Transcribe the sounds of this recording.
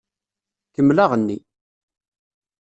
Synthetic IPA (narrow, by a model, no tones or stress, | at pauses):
kəmːlaʁənːi